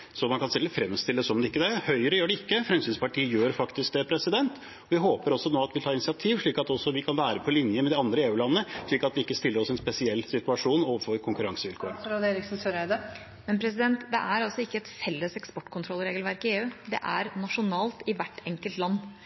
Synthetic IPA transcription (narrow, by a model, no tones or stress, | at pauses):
sɔmɑnkɑnst̪ɛlːəfɾɛmst̪ɪlːəsɔmd̪ɛɪkːəd̪ɛhœʏəɾəjøːɖɛɪkːəfɾɛmsyːnspʰɑʈʰiːəjøːɾfɑkt̪ɪsk̚d̪ɛpʰɾɛsɪd̪ɛnt̪ | ɔʋɪɦoːpəɾɔsɔnoːɑt̪ʋɪlt̪ɑːɪnɪsɪɑt̪ʰiːʋʂɭiːkɑt̪ɔsːɔʋɪkʰɑnʋæːɾəpʰɔlɪnjəmɛd̪ɪɑnd̪ɾəeːʉːlɑnːəʂɭiːkɑt̪ʋɪɪkːəst̪ɪlːəɾɔsɛnspɛsɪɛlːsɪt̪ʉɑʂuːnɔfɔɾkʰʊŋkʉɾɑŋsəʋɪlkʰoːɾɾɑd̪eːɾɪksnsøɾæɪd̪ə | mɛnpʰɾɛsɪd̪ɛnt̪d̪ɛʔæɾɑlsɔɪkːəɛt̪fɛlːəsɛkspɔʈːkʰʊnt̪ʰɾɔlːɾeːɡəlʋæɾkɪeːʉːd̪ɛ̰ʔæɾnɑʂʊnɑːlt̪ɪʋæʈːɛŋkəlt̪lɑnː